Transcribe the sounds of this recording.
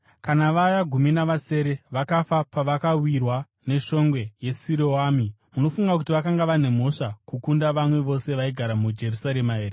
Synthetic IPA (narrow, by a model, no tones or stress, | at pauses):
kanaʋajaɡʱuminaʋase̞ːɾe̞ʋakafapaʋakawirwa | ne̞ʂo̞ŋɡwe̞je̞siɾowaːmi | muno̞fuŋɡakutiʋakaŋɡaʋane̞mo̞ʂakukundaʋamwe̞ʋo̞se̞ʋaiɡʱaɾamud͡ʒe̞rusaɾemaeːre